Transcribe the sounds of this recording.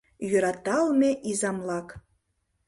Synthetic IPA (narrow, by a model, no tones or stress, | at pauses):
jøɾɑt̪ɑlˠmeʔizɑmlˠɑk